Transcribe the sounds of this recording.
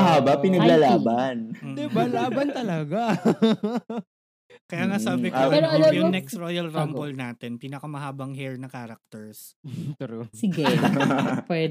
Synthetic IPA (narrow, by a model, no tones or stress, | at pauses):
ɐɦaːbɐpɪnɐɡlaːlaːbɐnd̪ɪbalaːbɐnt̪ɐlɐɡa | kɐjaːŋasaːbɪkaʔɾoʔɐjajʊonɛksɾojɐlɾampolnaːt̪ɛnpiːnɐkɐmɐɦaːbɐŋɦɛɹnɐkaːɾɐk̚t̪ɛɹs | t̪ɛɾosɪɡɛ | pwɛː